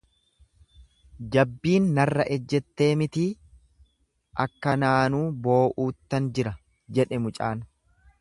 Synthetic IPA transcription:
d͡ʒɐbːiːnːɐrːɐʔɛd͡ʒːɛt̪ːe̞ːmɪt̪iː | ʔɐkːɐnaːnuːbo̞ːʔuːt̪ːɐnd͡ʒɪɾɐ | d͡ʒɛᶑɛmʊt͡ʃʼa̰ːn

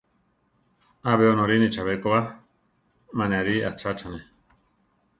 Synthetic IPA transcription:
aβeonõɾinit͡ʃaβekoβa | manẽaɾia̰t͡ʃat͡ʃane

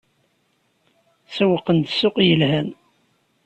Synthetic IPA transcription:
səwəqːənt̪sʊqjəlhæn

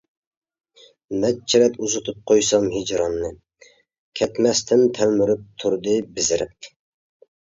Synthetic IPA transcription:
mɛt͡ʃʰiɾɛt̪uzɨt̪ʰɨp̚qʰojsɑmhid͡ʒɾɑnːɨ | kʲʰɛt̪mɛst̪ʰɪnt̪ʰɛlmyɾyp̚t̪ʰuɾd̪ɨbɪzɪɾɪ̰p̚

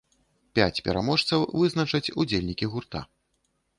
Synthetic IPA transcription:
pʲat͡sʲpʲɛɾamɔʂt̪sɐwvɨznɐt͡ʂɐt͡sʲud͡zʲelʲnʲikʲiɣurt̪a̰

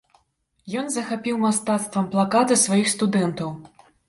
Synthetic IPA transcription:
jɔnzɐxapʲiwmast̪at̪st̪vɐmplˠakat̪ɨsvajixst̪ud̪ɛnt̪ɐw

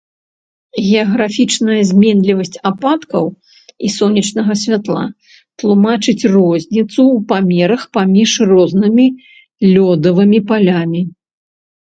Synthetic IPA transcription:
ɣʲɛɐɣɾafʲit͡ʂnɐjɐzʲmʲɛnlʲivɐsʲt͡sʲapat̪kɐw | isɔnʲːit͡ʂnɐɣɐsʲvʲat̪lˠa̰ | t̪lˠumat͡ʂɨt͡sʲrɔzʲnʲit̪suːpamʲɛɾɐxpamʲiʂrɔznɨmʲi | lʲɔd̪ɐvɨmʲipalʲamʲi

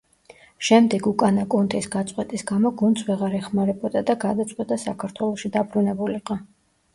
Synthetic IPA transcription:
ʃɛmd̪ɛɡukʼanakʼɔnt̪ʰisɡat̪sʼqʼwɛt̪ʼisɡamɔɡunt̪sʰvɛʁaɾɛχmaɾɛbɔd̪ad̪aɡad̪at̪sʼqʼwɛt̪ʼasakʰaɾt̪ʰwɛlˠɔʃid̪abɾunɛbuliqʼa

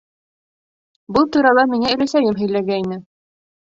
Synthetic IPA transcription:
bɤlˠt̪uɾɑlˠɑmiŋæɵ̆læsæjɘmɦɵ̆jlæɡæinɘ

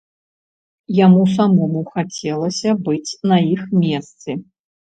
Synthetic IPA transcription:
jamusamɔmuxat͡sʲɛlˠɐsʲɐbɨt͡sʲnɐixmʲɛst̪sɨ

